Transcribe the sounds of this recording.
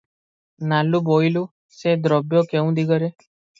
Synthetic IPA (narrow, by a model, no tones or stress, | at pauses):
nalũboilũ | sed̪ɾɔbjokeũd̪iɡəɾe